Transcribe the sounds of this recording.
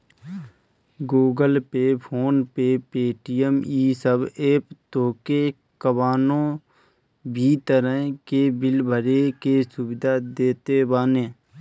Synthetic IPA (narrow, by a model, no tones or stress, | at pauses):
ɡoːɡəlpepʰoːnpepeːʈijəmiːsəbeːpt̪oːke | kəbaːnõː | bʱiːt̪əɾəɦkebɪlbʱəɾekesʊbɪd̪ʱad̪eːt̪ebaːnẽː